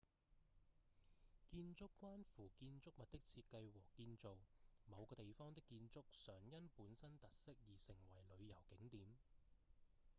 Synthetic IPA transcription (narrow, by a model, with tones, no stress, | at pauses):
kiː˧nt͡sʊ˥kːʷwaː˥nfuː˨˩kiː˧nt͡sʊ˥k̚mɐ˨t̚t̪ɪ˥k̚t͡sʰiː˧t̚kːɐ˧jwɔː˨˩kiː˧nt͡so˨wmɐ˨˧wkɔː˧t̪e˨jfɔː˥ŋt̪ɪ˥kːiː˧nt͡sʊ˥k̚sœː˨˩ŋjɐ˥npuː˨˥nsɐ˥nt̪ɐ˨t̚sɪ˥k̚jiː˨˩sɪ˨˩ŋwɐ˨˩jlɵ˨˧ɥjɐ˨˩wkɪ˨˥ŋt̪iː˨˥m